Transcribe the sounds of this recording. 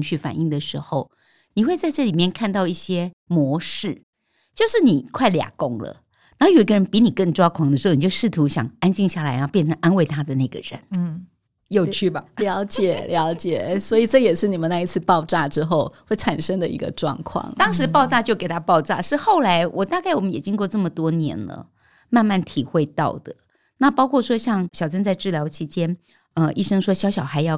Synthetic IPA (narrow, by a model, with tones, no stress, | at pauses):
ŋɕy˥˩fa̰˨˩ni˥˩ŋd̪ə˩ʂɻ̩˧˥xo˥˧ʊ | ni˨˩xwe˥˧ɪt͡sa˥˧ɪʈ͡ʂɤ˥˩li˨˩mjɛ˥˧nkʰa˥˧nt̪ɑ˥˧ʊi˥˩ɕjɛ˥ | mwɔ˧˥ʂɻ̩˥˩ | t͡ɕjo˥˧ʊʂɻ̩˥˩ni˨˩kʰwa˥˩ɪlja̰˨˩kʊ˥ŋlə̰˨ | na˨˧˥jo˨˩i˧˥ɡə˧ɻə˧˦npi˧˥ni˨˩kə˥˩ŋʈ͡ʂwa˦˥kʰwɑ˧˥ŋd̪ə˩ʂɻ̩˧˥ʊ˨ni˨˩t͡ɕo˥˧ʊʂɻ̩˥˩t̪ʰu˧˥ɕjɑ̰˨˩ŋa˥nt͡ɕi˥˧ŋɕja˥˩la˧˦ɪjɑ˥˧pjɛ˥˩nʈ͡ʂʰə˧˦ŋʔa˥nwe˥˩ɪt̪ʰa˥d̪ə˨na˥˩ɡə̰˨ɻə̰˧˦n˩ | jo˥˧ʊt͡ɕʰy˥˩ba˨˩ljɑ˧˥ʊt͡ɕjɛ˨˩˦ljɑ˧˥ʊt͡ɕjɛ˨˩swɔ˧˥i˨˩ʈ͡ʂɤ˥˩jɛ˨˩ʂɻ̩˥˩ni˨˩mə˨˦na˥˩i˧˥t͡sʰɹ̩˥˧pɑ˥˧ʊʈ͡ʂa˥˩ʈ͡ʂɻ̩˥xo˥˧ʊxwe˥˩ɪʈ͡ʂʰa˨˩nʂɤ˥ŋd̪ə˨ʔḭ˧˥ɡə̰˧ʈ͡ʂwɑ̰˥˧ŋkʰwɑ̰˥˩ŋt̪ɑ˥ŋʂɻ̩˧˥pɑ˥˧ʊʈ͡ʂa˥˧t͡ɕjo˥˩ʊke˨˩ɪt̪ʰa˥pɑ˥˧ʊʈ͡ʂa̰˥˩ʂɻ̩˥˧xo˥˩ʊla˧˥ɪwʔɔ˨˩t̪a˥˧ka˥˩wɔ˨˩mə˦njɛ˨˩t͡ɕi˥ŋkwɔ˥˧ʈ͡ʂə˥˩mə˩t̪wɔ˥njɛ̰˧˥nlə̰˧ | ma˥˧nma˥˩nt̪ʰi˨˩xwe˥˧ɪt̪ɑ̰˥˩ʊd̪ə˩ | na˥˩pɑ˥ʊkʰwɔ˥˩ʂwɔ˥ɕjɑ˥˩ŋɕjɑ˨˩ʊʈ͡ʂə˥nt͡sa˥˧ɪʈ͡ʂɻ̩˥˩ljɑ˧ʊt͡ɕʰi˧˥t͡ɕjɛ˥n | ə˧i˥˩ʂɤ˥ŋʂwɔ˥ɕjɑ˧˥ɕjɑ˨˩ʊxa˧˥ɪjɑ˥˩ʊ